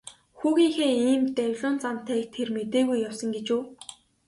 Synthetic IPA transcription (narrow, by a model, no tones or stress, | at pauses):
xuːɣʲiːŋxeːiːmt̪æwʲɮʊːnt͡sam̥t̪ʰæːk̚t̪ʰːermet̪eːɣujːawsə̆ŋɡet͡ɕuː